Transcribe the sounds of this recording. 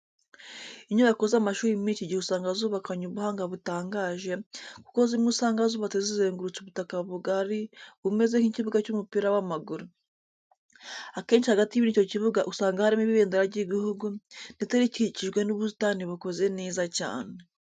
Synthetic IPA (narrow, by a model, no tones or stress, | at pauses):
iɲuakozamaʃuːɾimiːt͡ʃiɟihusaːŋɡazuːβakaɲuβuhaːŋɡaβutaːŋɡaːʒe̞ku̥ko̞zimŋusaːŋɡazuːβatezizeːŋɡuɾut͡suβutakaβuɡaɾiβume̞ze̞ŋhiciβuɡacumupiːɾawamaɡuɾu | ake̞ːnʃihaɡatiβinico̞ciβuɡaʔusaːŋɡahaɾimiβiβeːndeɾaɾɟiɡihuɡundet͡seɾiciciʒɡwe̞nuβutaːniβukoze̞neːzaca̰ːne